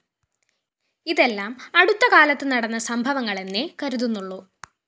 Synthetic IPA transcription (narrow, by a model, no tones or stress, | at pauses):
iðe̞lːaːmɐɽut̪ːɐkaːlɐt̪ːɨnɐɽɐnːɐsɐmbʱɐʋɐŋːɐɭe̞nːekɐɾuðunːuɭːu